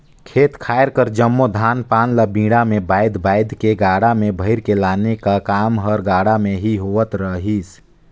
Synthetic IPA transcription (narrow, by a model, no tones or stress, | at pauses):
kʰeːt̪kʰaːɪɾkəɾd͡ʒəmːod̪ʱaːnpaːnləbĩːɽamẽbaːɪd̪ʱbaːɪd̪ʱkeɡaːɽamẽbʱəɪɾkelaːnekakaːmɦəɾɡaːɽameɦiɦoət̪ɾəɦis